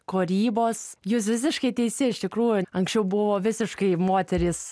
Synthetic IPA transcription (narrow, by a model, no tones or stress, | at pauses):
koɾʲiːboːsjuːs̬ʋʲɪs̬ʲɪʃkɐɪt̪ʲɛɪsʲɪɪʃt̪ʲɪkɾuːjʊɐŋksʲt͡ʃʲɛʊbʊʋoːʋʲɪsʲɪʃkɐɪmoːt̪ʲɛɾʲɪs